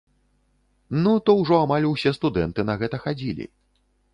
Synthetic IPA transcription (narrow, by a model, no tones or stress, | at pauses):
nut̪ɔwʐɔamalʲuwsʲɛst̪ud̪ɛnt̪ɨnɐɣɛt̪ɐxad͡zʲilʲḭ